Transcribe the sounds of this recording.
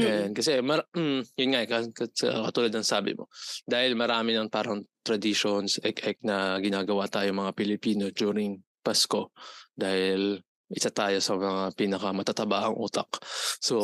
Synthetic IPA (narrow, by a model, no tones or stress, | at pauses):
jankɐsɛmɐjʊnŋakɐɐsɐ̰kɐt̪uːlɐd̪nɐŋsaːbɪ̰mo̰d̪aːhɪlmɐɾaːmɪnɐŋpaːɾɐŋt̪ɾɐd̪ɪʃonsɛkɛk̚nɐɡɪnaːɡɐwat̪aːjomɐŋapɪlɪpiːnod͡ʒ̪uːɾɪŋ | pasko̞d̪aːhɪl | ʔɪsat̪aːjo̞sɐmɐŋapiːnɐkɐmɐt̪at̪ɐbaːʔɐŋʔṵːt̪ɐkso